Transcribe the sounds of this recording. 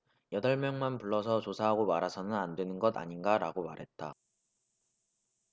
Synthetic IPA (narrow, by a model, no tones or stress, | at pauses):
jʌdʌɭmjʌŋmanpuɭːʌsʰʌt͡ɕosʰaɦaɡomaɾɦasʰʌnɯnandwe̞nɯnɡʌda̰ɲinɡaɾaɡomaɾɦe̞t̚t͈a